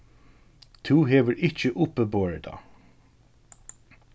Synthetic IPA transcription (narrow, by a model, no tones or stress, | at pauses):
t̪ʰuːɦeːʋəɹɪt͡ʃəʔʊpːəboːɹəd̪ɑ̰ː